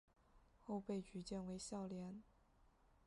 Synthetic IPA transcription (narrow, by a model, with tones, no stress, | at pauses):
xo˥˧ʊpe˥˩ɪt͡ɕy˧˥t͡ɕjɛ˥˩nwe˧˥ɪɕjɑ˥˩ʊljɛ˧˥n